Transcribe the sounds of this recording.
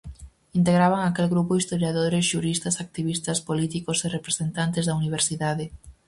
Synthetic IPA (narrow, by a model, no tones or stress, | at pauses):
int̪eɣɾaβaŋakelɣɾupʊist̪oɾjaðoɾesʃuɾist̪ɐsak̚t̪iβist̪ɐspolit̪ikoserepɾesent̪ant̪ezðɐuniβ̞eɾsiðaðe